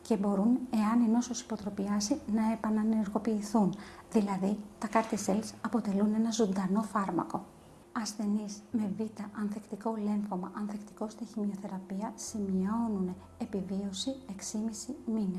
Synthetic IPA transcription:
ce̞bo̞ɾune̞ɐnino̞sosi̥po̞t̪ɾo̞piɐsinɐe̞pɐnɐneɾɣo̞piːθun | ðilɐðit̪ɐkɐɾt̪eselsɐpo̞t̪e̞lune̞nɐzond̪ɐno̞fɐɾmɐ̰ko̞ | ɐsθe̞nizme̞vit̪ɐʔɐnθekt̪iko̞le̞ɱfomɐʔɐnθekt̪i̥ko̞st̪eçimio̞θe̞ɾɐpiɐsimio̞nun | epivio̞sie̞ksimisimine

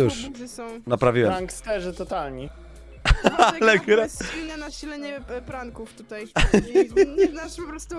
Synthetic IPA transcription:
uʂɨsɔ̃w̃napɾavʲiwɛɾaŋkst̪ɛʐɘt̪ɔt̪alɲi | alɛkuɾasinanaɕilɛɲɛpɾaŋkuft̪ut̪aj | naʂpɔpɾɔst̪u

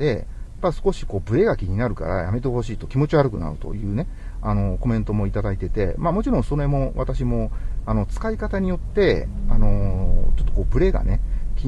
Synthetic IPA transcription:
e̞ | pasɨ̥ko̞ɕi̥ko̞ːbɯ̟ɾe̞ɡakʲiɲ̟inaɾɯ̟ka̰ɾa̰ja̰me̞t̪e̞ho̞ɕiːt̪o̞kʲimo̞t͡ɕiβaɾɯ̟kɯ̟na̰ɯ̟̰t̪o̰jɯ̟ːne̞ | ano̞ko̞mẽnt̪o̞mo̞it̪ad̪ait̪e̞t̪e̞̰mamo̞t͡ɕiɾõ̞ɰ̃so̞ɾoeemo̞βat̪aɕ̬imo̞ano̞t͡sɨ̥kaikat̪aɲ̟ijo̞t̪ːe̞ano̞t͡ɕot̪ːo̞̥koːbɯ̟ɾe̞ɡa̰ne̞kʲi

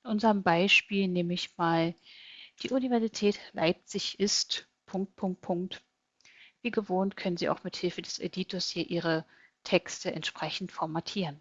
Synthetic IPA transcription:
ɪnʔʊnzəʁəmbaɪʃpiːlneːməɪçmaːl | d̥iːʔunivɛɐzitʰɛːtlʔa̰ɪp̚t͡sɪçʔɪst | pʰʊŋk̚t̚pʰʊŋk̚t̚pʰʊŋk̚t | viːɡəvoːntkʰœnənziːʔa̰ʊxmɪthɪlfədɛsediːtʰoɐshiːɐʔiːʁ̞ə | tʰɛkstəʔɛ̰ntʃpʁ̥ɛçn̩tfɔɐmatʰiːʁən

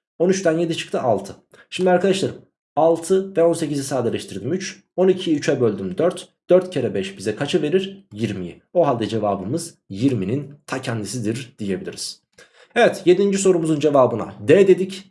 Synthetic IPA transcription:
o̞nyt͡ʃt̪ænje̞d̪it͡ʃʰɯ̥k̚t̪ʰɯʔalˠt̪ʰɯ | ʃimd̪ʲiaɾkʰad̪aʃlˠaɾɯm | alˠt̪ʰɯvɛo̞nse̞cizisaːd̪elʲɛʃt̪ʰiɾd̪imyt͡ʃ | o̞nicʰiyt͡ʃʰɛbø̞lʲd̪ymd̪øɾt̪d̪̥øɾt̪cʰeɾɛbɛʃbizɛkʰat͡ʃʰɯve̞ɾiɾjiɾmij̰ | o̞ɦalʲd̪ɛd͡ʒe̞vaːbɯmɯz | jiɾminint̪ʰacʰænd̪isid̪iɾd̪̥ije̞bilʲḭɾiz̥ | evɛt̪je̞d̪ind͡ʒiso̞ɾumuzund͡ʒe̞vaːbɯna̰d̪ɛd̪e̞d̪ic

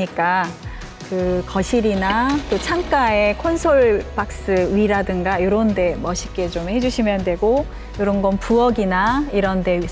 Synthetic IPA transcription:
ik͈a | kɯkʌɕʰiɾinat͈ot͡ɕʰamk͈ae̞kʰonsʰoɭpak̚s͈ɯɥiɾadɯŋɡajoɾʌnde̞mʌɕʰik͈e̞t͡ɕomhe̞d͡ʑuɕʰimjʌndwe̞ɡo | joɾʌnɡʌnpuʌɡinaiɾʌnde̞

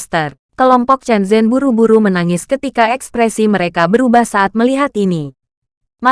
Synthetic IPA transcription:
st̪ər | kəlɔmpɔk̚t͡ʃɛnzɛnbuɾubuɾumənaŋɪskət̪ikaɛkspɾɛsiməɾekabəɾubahsaːt̪̚məliɦat̪ini | ma

